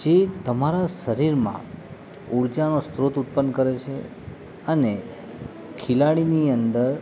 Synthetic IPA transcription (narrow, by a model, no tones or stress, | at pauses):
d͡ʒet̪əmaɾaʃəɾiɾmã̰ | uɾd͡ʒanost̪ɾot̪ut̪̚pənkəɾet͡ʃʰe | əne | kʰɪlaɽiniənd̪əɾ